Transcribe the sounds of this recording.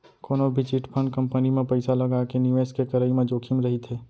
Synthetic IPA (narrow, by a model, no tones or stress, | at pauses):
koːnobʱit͡ʃiːʈpʰə̃ɳɖ̚kɐ̃mpənimẽpɐɪsalɐɡakeniʋeːskekɐɾəimẽd͡ʒoːkʰimɾɐɦit̪ʰɦeː